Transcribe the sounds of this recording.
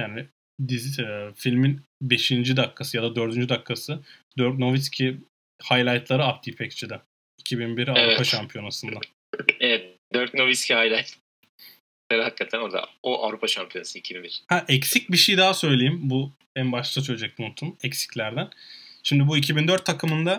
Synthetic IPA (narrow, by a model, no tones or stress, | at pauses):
jaːnɪ | d̪izfilʲminbe̞ʃind͡ʒid̪akʰːasɯjad̪ad̪ø̞ɾd̪ynd͡ʒyd̪akʰːasɯd̪øɾt̪no̞viscʲʰi | hajlʲˠajt̪lˠaɾɯap̚d̪ʰiːpʰɛkst͡ʃʰid̪ɛ | icʰibinbiɾiaɾupaʃampʰijo̞nasɯnd̪a | evɛt̪̚d̪øɾt̪̚no̞viscʰihajlʲajt̪ | leɾihakːat̪ʰæno̞ɾd̪a̰oʔa̰vɾupʰaʃampʰijo̞nasɯicʰibinbiɾ̥hæʔɛcsic̚biʃejd̪aɦasø̞jlʲe̞jimbu | ænbaʃlt̪at͡ʃ̪ʰøjd͡ʒɛc̚ont̪ʰumɛcsi̥clʲæɾd̪ænʃimd̪ibuicʰibind̪øɾt̪ʰːakʰɯmɯnd̪a